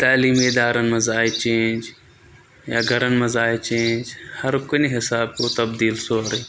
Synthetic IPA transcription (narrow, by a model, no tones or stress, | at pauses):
t̪aːliːmeːd̪aːɾənɪ̆mɐzaːit͡ʃẽːnd͡ʒ | jaːɡʱɐɾənɪ̆mɐzaːet͡ʃẽːnd͡ʒhɐɾkoneɦɪsaːb̚koːt̪ɐbd̪iːlsoːɾeː